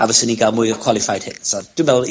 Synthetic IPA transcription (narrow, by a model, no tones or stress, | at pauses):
a̰vəsəniɡalˠmʊjəkʰw̥ɔlˠɪfajd̥̚hɪksɔd̥ɪmɛlˠ